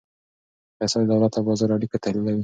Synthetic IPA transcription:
pɛsɑd̪d̪awlat̪abɑzɑɾaɽikat̪ahlilawi

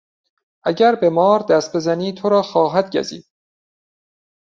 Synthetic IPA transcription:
ʔæɟæɾbe̞mɒːɾd̪æst̪̚be̞zæniːt̪ʰoɾɒːxɒːɦæd̪ɟæ̰zḭːd̪̥

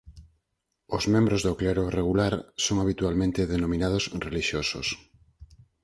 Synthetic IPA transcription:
ozmẽmbɾozðokleɾoreɣ̞ulaɾsoŋaβ̞it̪ualmẽnt̪eðenomĩnað̞osreliʃjoso̰s

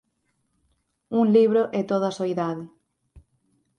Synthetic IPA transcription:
uŋliβɾoʔet̪oð̞ɐsoiðaðɪ

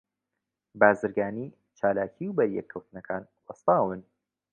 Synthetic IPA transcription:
baːzɨɾɡaːniː | t͡ʃʰaːlaːcʰiːwbɐɾjɛkʰːɐwt̪nɐkʰaːn | wɐst̪aːwɨn

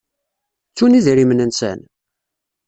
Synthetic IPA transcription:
t͡sːuniðɾimnənsæ̰n

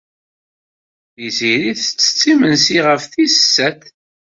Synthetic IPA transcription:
iziɾiθət͡sːə̥t͡sːimənsiʁəfθisə̥sːæt̪

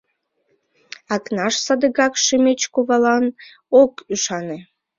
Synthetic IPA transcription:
ɑknɑʃsɑd̪əɣɑkʃəmet͡ɕkuβɑlɑn | okyʃɑne

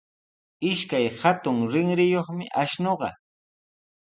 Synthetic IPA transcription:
ɪʃkajhat̪ʊŋɾɪŋɾɪjoχmɪʔaʃnoɢɑ̰

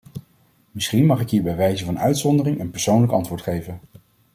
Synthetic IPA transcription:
mɪsχinmɑχɪkɦiːɹbɛjʋɛjzəvɑnœ̰ɥtsɔndərɪŋənpɛɹsownləkɑ̰ntʋʊːɹtχejvən

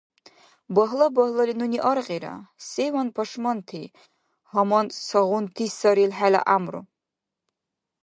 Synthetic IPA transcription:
bɐɦlɐbɐhlɐlinuniʔɐrqeɾa̰sejwɐnpʰɐʂmɐntʰeː | hɐmɐnsɐʁʷʊntʰiːsɐɾilħalɐ̰ʔamrṵ

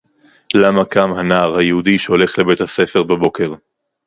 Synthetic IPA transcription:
lamakamhanaːʁhajehudiʃeo̞le̞χle̞be̞t̪hase̞fe̞ʁbabo̞ke̞ʁ

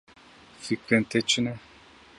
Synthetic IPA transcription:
fikə̃t̪et͡ʃinɛ

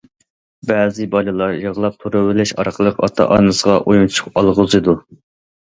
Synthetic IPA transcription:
bɛːzɪbɑlˠɨlˠɑɾjəʁlˠɑp̚t̪ʰuɾɨwɪlɪʃɑ̰ɾqʰəlˠəqɑ̰t̪ʰɑ̰ʔɑnɨsəʁɑʔojmt͡ʃʰu̥qɑlˠʁʊzɨd̪u

